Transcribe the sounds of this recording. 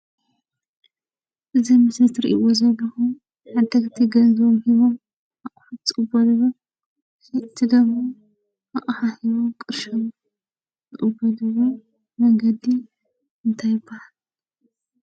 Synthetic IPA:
ʔɨzimɨst̪ɾiʔḭʔozɐlːɐxu | ħad̪ɐkt̪ʰiɡɐzomhiβom | ɐʔʼtʼɨʔʼɨbːɐlɨβo | ɨt̪ʰid̪ɐmo | ɐʔʼħahiβomkʼɨɾʃom | zɨʔʼɨbːɐd̪ɨβo | mɐŋɡɐd̪i | ɨnt̪ʰajɪbahal

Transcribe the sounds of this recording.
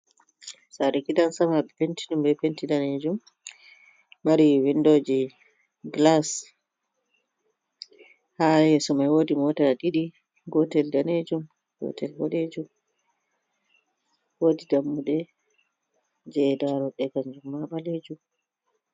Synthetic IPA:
saɾikidansamaɓɛpentiɗumbɛpentidaned͡ʒum | aɾiwindod͡ʒi | ɡlas | hajɛsɔmajwodimɔtaɗiɗi | ɡɔtɛldaned͡ʒum | ɡɔ̰tʰɛlwɔ̰ɗed͡ʒum | wodidamːuɗɛ | d͡ʒɛdaɾɔɗɛkaɲd͡ʒumːaɓaled͡ʒum

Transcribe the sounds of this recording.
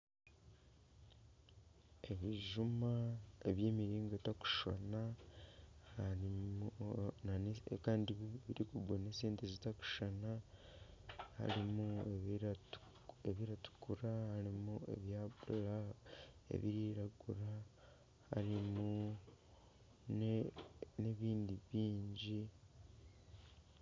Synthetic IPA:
e̞βiʒumaeβjeːmiɾiːŋɡotaku̥ʃo̰na | ai | nankaːndiβiɾikuɡonesiːntezitaku̥ʃana | ha̰ɾimueɾu̥ | eβiɾatu̥kuɾahaɾimue̞̰βjabola | ḛβiɾiɾaɡuɾa | ha̰ɾimu | n | neβiːndiβiːɲɟi

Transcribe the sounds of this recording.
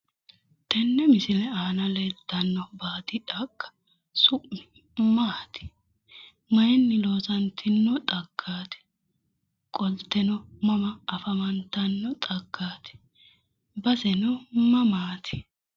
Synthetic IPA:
t̪ʰɛnːɛmɪsɪlɛaːnɐlɛd̪ɐnːɔbaːd̪ɪᶑɐkːɐ̥ | sʊʔmɪ | mɐɐt̪ɪ̥ | mɐjɛnːɪloːsɐnt̪ʰɪnːɔt̪ʼɐɡʰːaːt̪ɛ̥ | kʼɔlt̪ːɛnɔmɐmɐːfɐmɐnt̪ːɐnːɔt̪ʼɐɡːaːt̪ɛ̥ | bɐsɛnɔmɐmaːt̪ʰɪ̥

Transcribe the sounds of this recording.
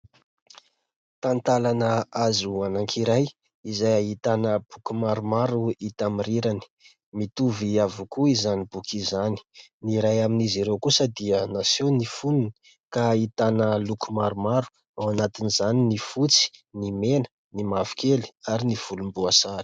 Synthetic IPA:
t̪ant̪alanəazuanaŋkʰiɾaj | izajaɦit̪anəb̥ukumaɾumaɾuit̪amiɾiɾani̥ | mit̪uviavukuizanibukʰizani̥niɾajaminizeɾewkusəd̪iənasonifunun | kait̪anəlukumaɾumaɾu̥ | awanat̪inizaninifut͡si̥nimenə̥ | nimavu̥keli̥aɾiniv̥ulumbuasaɾi̥

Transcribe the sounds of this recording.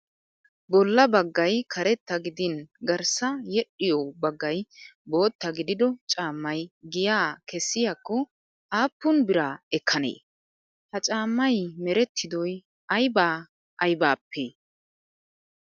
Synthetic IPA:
bɔlːɐbɐɡːɐjkʰɐɾɛt̪ːɐɡɪd̪ɪnɡɐɾsɐjɛɗːɪjɔbɐɡːɐjbo̞ːt̪ːɐɡɪd̪ɪd̪ɔt͡ʃʼaːmːɐjɡɪjaːkɛsːɪjakːɔ | ʔaːpːʊnbɪɾaːɛkʰːɐnḛː | hɐt͡ʃʼaːmːɐjmɛɾɛt̪ʰːɪd̪ɔj | ɐjbaː | ʔɐjbaːpʰːeː

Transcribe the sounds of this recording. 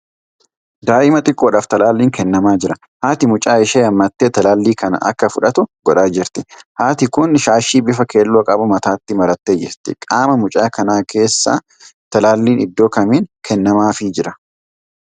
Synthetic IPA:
d̪aːʔɪmɐt̪ʼɪkʼːoːᶑaːft̪ɐlaːlːiːŋkʰɛnːɐmaːd͡ʒɪɾɐ | haːt̪ɪmʊt͡ʃʼaːɪʃeːɐmːɐt̪ːe̞ːt̪ɐlaːlːiːkɐnɐ̰ʔɐ̰kːɐfʊᶑɐt̪ʊɡ̥ɔᶑaːd͡ʒɪɾt̪ɪhaːt̪ɪkʊnʃaːʃiːbɪfɐke̞ːlːoːkʼɐbʊmɐt̪aːt̪ːɪmɐɾɐt̪ːe̞ːd͡ʒɪɾt̪ɪ̰kʼaːmɐmʊt͡ʃʼaːkɐnaːkʰe̞ːsːa̰ | t̪ɐlaːlːiːnɪd̪ːo̞ːkɐmiːnkʰɛnːɐmaːfɪd͡ʒɪɾɐ

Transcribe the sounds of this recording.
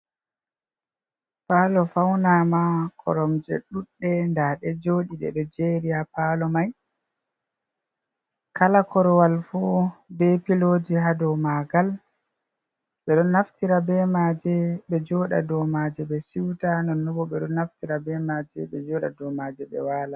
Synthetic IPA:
palɔfawnamakʰɔ̰ɾɔmd͡ʒɛ̰ɗuɗːɛndaɗɛd͡ʒoɗiɗɛ̰ɗɔd͡ʒeɾiapalɔmaj | kalakʰɔɾɔwalfɔbɛpilod͡ʒiɦadɔmaɡal | ɓɛɗɔnːaftiɾabɛmad͡ʒɛɓɛd͡ʒɔːɗa̰dɔmad͡ʒɛɓɛsiwtanɔnːɔbɔɓɛɗɔnːaftiɾabɛmad͡ʒɛ̰ɓɛd͡ʒɔːɗa̰dɔmad͡ʒɛɓɛ̰waːla

